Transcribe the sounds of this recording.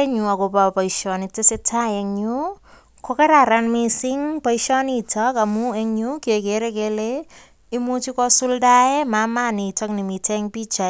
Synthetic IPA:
e˦ɲu˨a˨ko˨papɔ˨iʃɔni˨te˦se˦tʰa˦eŋɲu | koke˦ɾa˨ɾanmisiŋpɔ˦iʃɔ˦nitʰɔka˨mue˦ŋɲu˦ke˨ke˨ɾekele | i˦mu˦t͡ʃikɔ˦su˦lda˦e˦ma˨ma˦ni˨tɔ˦kni˨mi˨tʰɛ˦ŋpi˦t͡ʃa

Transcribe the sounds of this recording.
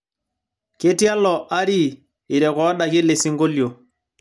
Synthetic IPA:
ke˦tja˦lɔ˨ʔa˦ɾi˦˨ | i˨ɾɛ˨kɔ˨˦ɗa˨ki˦le˨si˦ŋɡo˦ljo˨

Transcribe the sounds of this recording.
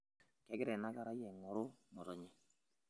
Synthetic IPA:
kɛ˨ɡɛ˦ɾɛ˨na˦ɡa˦ɾa˦jɛ˨ŋɔ˨ɾʊ˦mɔ˨tɔ˨ɲɛ˦

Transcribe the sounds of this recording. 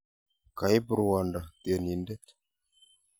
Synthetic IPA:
ka˨jbə˨ɾwa˨nda˨d̥e˨ni˨nde˦t

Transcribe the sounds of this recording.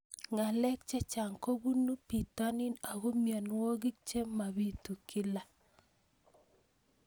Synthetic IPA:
ŋa˨lɛ˦k̚t͡ʃɛ˦t͡ʃa˨ŋko˦bu˦nu˦pi˨ta˦nɪ˦na˨ɡo˦mja˨nwo˦ɡɪ˦k̚t͡ʃe˦ma˨bi˦tu˨kɪ˦la˨

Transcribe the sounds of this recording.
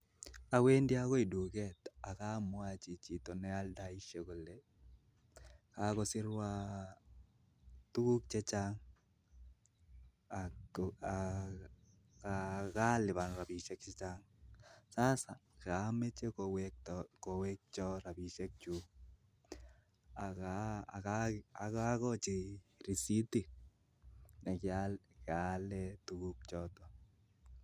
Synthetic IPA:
a˨we˦ndɪ˦a˦kɔ˦i˨du˨ɡɛ˦t̪a˨ka˦mʊ˦a˦t͡ʃi˨t͡ʃi˨t̪ɔ˨nɛ˦a˦lda˨i˦ʃe˨ɡo˨le˨ | ka˦kɔ˦sɪ˦ɾwa˦ | t̪u˦ku˦k̚t͡ʃe˦t͡ʃa˦ŋ | a | kaka˦lɪ˨ba˨nɾa˨bi˨ʃe˦k̚t͡ʃɛ˦t͡ʃa˦ŋ | sa˦sa˨ka˨mɛ˦t͡ʃɛ˦kwɛk̚tkɔ˨wɛ˦k̚t͡ʃɔ˦ɾa˨bi˨ʃɛ˦k̚t͡ʃu | aka˨aa˨ka˦kɔ˦t͡ʃɪ˨ri˨si˦ti˨ | nɛ˨kɪalkalɛtu˦kuk̚t͡ʃɔ˦tɔ˨

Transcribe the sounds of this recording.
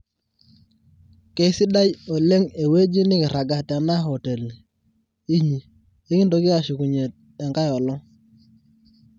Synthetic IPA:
ke˨˦sɪ˦da˦jo˨le˦ŋe˨we˦d͡ʒi˦nɪ˦kɪ˨ɾa˨ɡa˨tɛ˨na˦ɦɔ˨te˨l | i˦ɲi˨ | e˦kɪ˦ndo˨˦kɪ˦a˨ʃu˨ku˨ɲe˨t̚ | ɛ˨ŋka˦jɔ˨lɔ˦ŋ

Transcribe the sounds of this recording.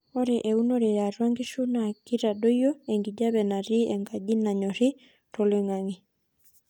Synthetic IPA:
ɔ˦ɾɛ˨ʔe˨u˦no˦ɾɛ˨ja˨rwa˦ŋɡi˦ʃu˦na˨ki˦ɾa˨ɗo˦jo˦e˨ŋɡi˨d͡ʒa˦βɛ˨na˨ɾi˦ɛ˨ŋɡa˨d͡ʒi˦na˨ɲɔ˨ɾɪ˦ | to˨le˦ŋa˨ŋi˨

